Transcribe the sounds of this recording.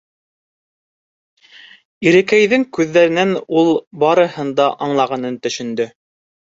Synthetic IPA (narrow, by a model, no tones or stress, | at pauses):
iɾɘ̆kæjðɘŋkʉðːæɾɘ̆nænulˠbɑɾɤ̆hɤ̆nd̪ɑʔɑɴlˠɑʁɑnɤnt̪ɵ̆ʃɵ̆nd̪ɵ